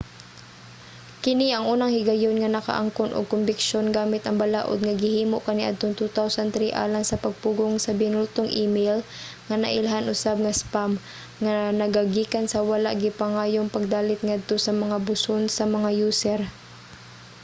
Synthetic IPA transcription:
kɪniʔɐŋʔuːnɐŋhɪɡɐjonŋɐnɐka̰ʔa̰ŋkonʔo̰ɡ̚kʊmbɪkʃonɡaːmɪt̪ɐŋbɐlaːʔo̰d̪̚ŋɐɡɪhiːmoʔkɐniʔa̰d̪̚t̪oŋt̪ut̪awsant̪ɾiʔa̰ːlaŋsɐpɐɡ̚puɡoŋsɐbɪnʊlt̪oŋʔimɛjl | ŋɐnɐ̰ʔɪlaɦanʔʊsab̚ŋɐspam | ŋanɐɡaɡiːkansɐwɐlaʔɡɪpaŋaːjoŋpɐɡ̚d̪aːlɪt̪̚ŋad̪̚t̪o̞sɐmɐŋabʊsonsɐmɐŋajuːsɛɾ

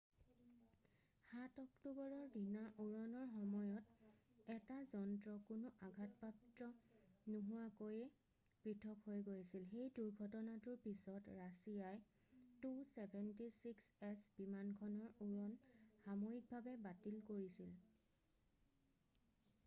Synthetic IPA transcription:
xatɔktubɔɹɔɹdinaʔuɹɔnɔɹxɔmɔjɔtɛtazɔntɹɔkʊnʊʔaɡʱatpaptɹɔnuɦʊwakojɛ | pɹitʰɔkhojɡojsilxejduɹɡʱɔtɔnatʊɹpisɔtɹasijaj | tusɛbʱɛntisiksɛsbimankʰɔnɔɹuɹɔnxamojik̚bʱabɛbatilkoɹisil

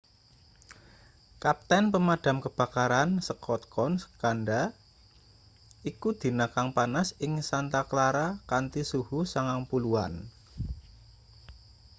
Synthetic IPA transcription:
kap̚t̪ɛnpəmad̥a̤mkəb̥a̤kaɾansəkɔt̪̚kɔnsə̥kanda | ikud̪̥i̤nakaŋpanasɪŋsant̪akəlaɾakant̪isuhusaŋaŋpulua̰n

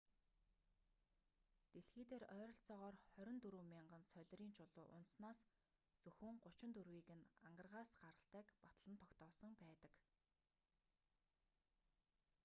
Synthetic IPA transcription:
t̪eɮxiːt̪eːɾœːɾɞ̆ɬt͡sɔːʁɔːrχœɾʲɪ̆nt̪ɵɾuːmʲiɴɢə̆nsœɮʲriːnt͡ɕʰʊɮʊːʔʊ̰nt̪snaːs | t͡sɵxɘ̆ŋɢʊt͡ɕɪ̆nt̪urwiːɣɘ̆naɴɢə̆rʁaːsɢaɾə̆ɬt̪æːkpḁt̪ə̆ɮə̆nt̪ʰɔkt̪ɔːsə̆ŋpæːt̪ə̥̆k

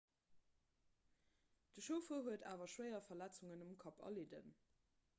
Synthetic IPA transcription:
d̥əʃoʊfəːɦuətʰaːvɐʃwɜɪɐfɐlæt͡suŋənumkʰɑpʰɐ̰ledə̰n

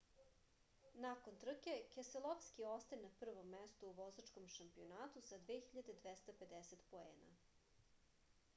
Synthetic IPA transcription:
nakont̪r̩ke̞keselˠofskiost̪ajenapr̩ʋomːest̪uuʋozat͡ʃkomʃampionaːt̪usad̪ʋeːxçiʎad̪e̞d̪ʋest̪ape̞d̪eset̪poḛːna̰

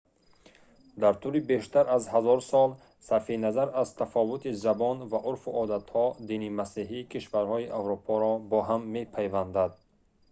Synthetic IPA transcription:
d̪aɾt̪ʰulibeʃt̪aɾazhazɔɾsɔl | safinazaɾazt̪ʰafɔvut̪ʰizabɔnvaʔuɾfuɔd̪at̪hɔd̪inimasiɦikʰiʃvaɾhɔiʔavɾupʰɔɾɔbɔɦamːe̞pʰajvand̪ad̪̚

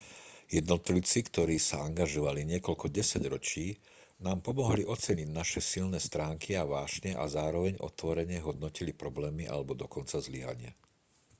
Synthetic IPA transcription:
jɛd̪nɔt̪lit͡sikt̪ɔɾiːsaaŋɡaʒɔʋaliɲɪɛkɔlkɔɟɛsaɟɾɔt͡ʃiː | naːmpɔmɔɦliʔɔt͡sɛɲiɟnaʃɛsilnɛːst̪ɾaːŋkʰiaʋaːʒɲɛʔa̰zaːɾɔʋɛɲʔɔ̰t̪ʋɔɾɛɲɪɛɦɔd̪̚nɔcilipɾɔblɛːmiʔa̰lɛbɔd̪ɔkɔnt͡sazliɦa̰ɲɪa̰

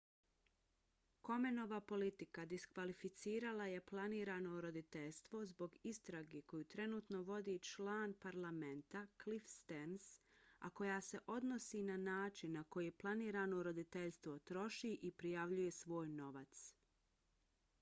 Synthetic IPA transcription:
ko̞me̞no̞ʋapo̞lit̪ikad̪iskʋalifit̪siːɾalaje̞plˠaniːɾaːno̞ɾo̞d̪it̪e̞ʎst̪ʋo̞zbo̞ɡist̪ɾaɡeko̞juːt̪ɾe̞nuːt̪no̞ʋo̞d̪it͡ʃlaːnpaɾlˠament̪aklifst̪ensa̰ko̞jaːse̞ʔo̞d̪nosiːnanaːt͡ʃinːako̞jiplˠaniːɾaːno̞ɾo̞d̪it̪e̞ʎst̪ʋo̞t̪ɾo̞ʃiːʔipɾijaʋʎuje̞sʋo̞ːjno̞ʋat̪s

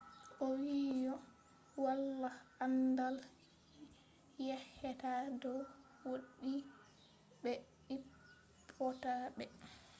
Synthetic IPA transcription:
ʔɔwiːjɔ | walːaandal | jɛhɛtadɔw | woɗi | bɛ | ɗip | pʰːɔtabɛ

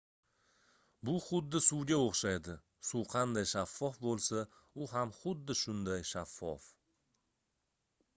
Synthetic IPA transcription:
bʊχʊd̪ːɪsuwɡʲaoχʃajd̪ɪ | suwqʰɑnd̪ajʃafːɒfbolˠsaʊɦamχʊd̪ːɪʃʊnd̪ajʃafːɒ̰f

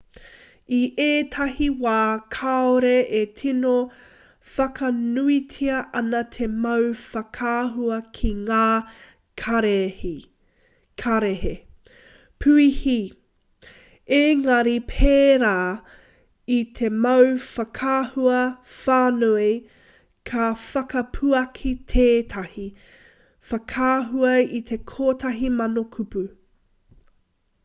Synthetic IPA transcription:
iʔeːtʰɐhiwaːkʰaoɾeʔetʰino | fɐkʰɐnuitʰiɐʔɐnɐt̪ʰemɐwfɐkʰaːɦuɐkʰiŋaː | kʰɐɾeh | kʰɐɾehe | pʰʉihi | eŋɐɾipʰeːɾaː | it̪ʰemɐwfɐkʰaːhuɐfaːnoi | kʰɐfɐkɐpʰuɐkʰit̪ʰeːt̪ʰɐhi | fɐkʰaːɦuɐit̪ʰe̞kʰoːtʰɐɦimɐnokʰupu

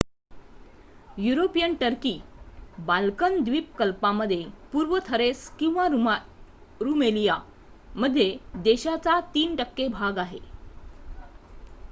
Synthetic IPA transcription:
juɾopijənʈəɾkiːbalkənd̪ʋiːp̚kəlpaməd̪ʱːjepuɾʋət̪ʰəɾeskĩw̃ʋa | ɾumelija | məd̪ʱːjed̪eɕat͡sat̪iːnʈəkːebʱaɡaɦe

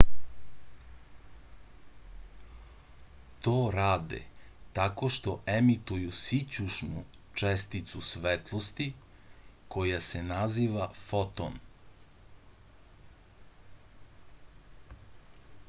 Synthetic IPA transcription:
t̪oːɾaːd̪ḛt̪ako̞ʃt̪o̞ʔemit̪ujusit͡ɕuʃnu | t͡ʃest̪it̪susʋet̪lˠost̪i | ko̞jasenaziːʋafot̪o̰n

